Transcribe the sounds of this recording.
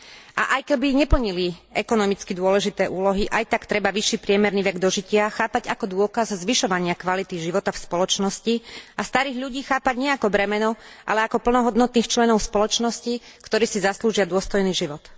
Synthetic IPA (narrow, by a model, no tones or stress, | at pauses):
a̰ʔajkɛbiɲɛpl̩ɲiliɛkɔnɔmit͡skid̪ʊɔlɛʒit̪ɛːʔuːlɔɦiʔajt̪akt̪ɾɛbaʋiʃːiːpɾɪɛmɛɾniːʋɛɡd̪ɔʒicɪaxaːpaɟakɔd̪ʊɔkazzʋiʃɔʋaɲɪakʋalit̪iʒiʋɔt̪afspɔlɔt͡ʃnɔsciast̪aɾiːɣʎuɟiːxaːpaɟɲɛakɔbɾɛmɛnɔʔa̰lɛakɔpl̩nɔɦɔd̪nɔt̪niːxt͡ʃlɛnɔʊspɔlɔt͡ʃnɔsci | kt̪ɔɾiːsizasluːʒɪad̪ʊɔst̪ɔjniːʒiʋɔt̪